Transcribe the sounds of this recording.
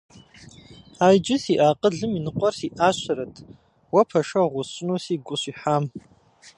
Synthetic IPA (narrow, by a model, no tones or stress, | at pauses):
ajd͡ʒɪsiʔaːqʼəɮɨminɨqʷʼɔrsiʔaɕʷʰaɾatʼʰ | wapʰaʂaʁʷʊɕʷnosiɡʷʊɕʷiħam